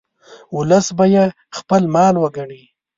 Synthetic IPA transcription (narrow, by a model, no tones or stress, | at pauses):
ʊləsbaje | xpəlmɑlwəɡaɳi